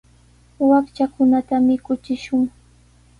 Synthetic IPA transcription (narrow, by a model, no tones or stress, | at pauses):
wakt͡ʃakʊnat̪amɪkʊt͡ʃɪʃʊŋ